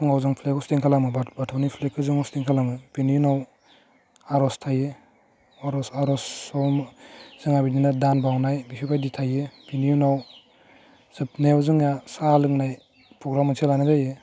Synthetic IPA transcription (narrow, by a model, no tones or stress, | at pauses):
ɯŋawzɯŋpʰlekɔstiŋkʰalamɯbabatʰawnipʰlekʰːɯzɯŋɔstiŋkʰalamɯbinijunaw | aɾɔstʰaje | aɾɔsaɾɔsɔwmz̥ɯŋabininadanbawnajbisʰikʰajditʰajebinijunaw | z̥ɯp̚newzɯŋasalɯŋnaj | pʰɾɔɡɾamɯsʰelanazaje